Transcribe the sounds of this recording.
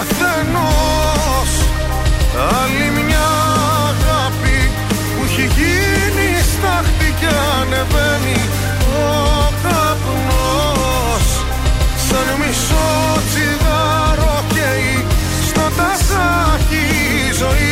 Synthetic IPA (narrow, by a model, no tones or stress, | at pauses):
θeno | s | ɐlimɲɐ | ɣɐpi | puçiʝi | nist̪ɐxt̪icɐ | neveni | o | kɐ | p | no | s | sɐnimiso | t͡siɣɐ | ɾoce | i | st̪ot̪ɐsɐ | ci | zoi